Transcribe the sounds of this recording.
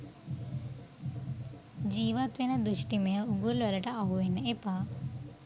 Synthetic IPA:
d͡ʒiʋat̪ʋenad̪uʃʈimeəuɡulʋɐləʈaːɦuenepa

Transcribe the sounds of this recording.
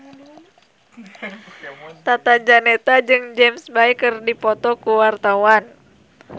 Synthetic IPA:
t̪at̪ad͡ʒanɛt̪ad͡ʒɨŋd͡ʒɛmsbaikɨrdipɔt̪ɔkuwart̪awan

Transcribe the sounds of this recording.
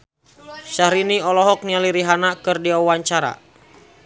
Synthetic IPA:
ʃaɾiniɔlɔɦɔk̚nialiɾiɦanakɨrdiawaɲt͡ʃaɾa̰

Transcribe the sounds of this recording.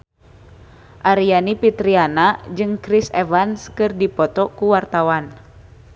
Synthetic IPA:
ʔaɾianipit̪ɾianad͡ʒɨŋkɾisɛvanskɨrdipɔt̪ɔkuwart̪awan

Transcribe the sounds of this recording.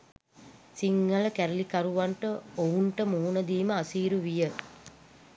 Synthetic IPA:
siŋːələkæɾəlikaɾuʋaɳʈəouɳʈəmuɦunəd̪iːməasiːɾuʋijə

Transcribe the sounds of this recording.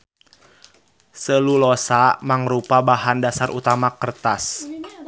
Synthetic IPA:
səlulɔsamaŋɾupabaɦandasarʔut̪amakərt̪as

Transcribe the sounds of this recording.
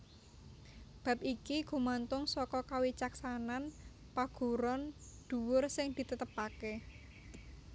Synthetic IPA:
b̥a̤p̚ikiɡ̥ṳmant̪ʊŋsɔkɔkawit͡ʃaksanan | paɡ̥ṳɾɔnd̪̥ṳwʊrsɪŋd̪̥i̤t̪ət̪əpake

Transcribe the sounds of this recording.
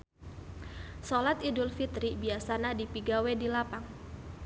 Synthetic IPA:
solat̪idʊlfit̪ɾibiasanadipiɡawedilapaŋ

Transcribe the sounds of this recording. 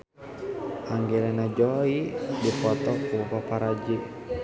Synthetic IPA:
aŋɡɛlanad͡ʒɔidipɔt̪ɔkupapaɾad͡ʒiʔ

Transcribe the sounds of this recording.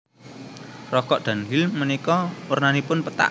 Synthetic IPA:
rɔkɔʔd̪̥ä̤nɦɪlmənikɔwərnanipʊnpət̪a̰ʔ

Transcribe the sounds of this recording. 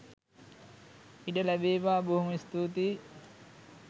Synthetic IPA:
iɖəlæbeːʋaːbuɦumist̪ut̪iː

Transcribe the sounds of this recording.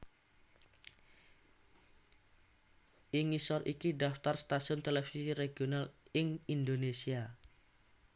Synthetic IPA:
ʔɪŋisɔrʔikiɖaft̪arst̪asiʊnt̪elefisireɡionalɪŋind̪onesia

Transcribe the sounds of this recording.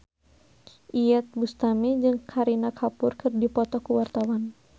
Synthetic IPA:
ʔijɛt̪̚bust̪amɛd͡ʒɨŋkʰaɾinakʰapurkɨrdipɔt̪ɔkuwart̪awan

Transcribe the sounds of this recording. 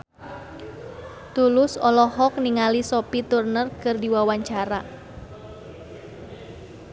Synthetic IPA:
t̪ulʊsɔlɔɦɔk̚niŋalisopit̪urnərkɨrdiwawaɲt͡ʃaɾa

